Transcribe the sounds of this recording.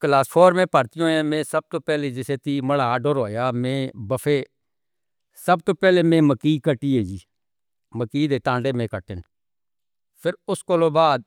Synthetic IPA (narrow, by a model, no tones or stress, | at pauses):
klaːspʰoːɾmẽːpəɾt̪ɪjõːãːmẽːsəb̚t̪oːpɛːled͡ʒɪseːt̪iːməlaːɖoːɾɦoːjaːmẽːbəfʰeː | səb̚t̪oːpɛːlemẽːməkiːkəʈiːeːd͡ʒiː | məkiːd̪eːʈãːɳɖeːmẽːkəʈɪn | pʰɪɾʊskoloːbaːd̪̚